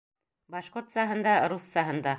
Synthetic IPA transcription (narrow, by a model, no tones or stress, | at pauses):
bɑʃqoɾt̪sɑɦɤ̆nd̪ɑɾusːɑɦɤ̆nd̪ɑ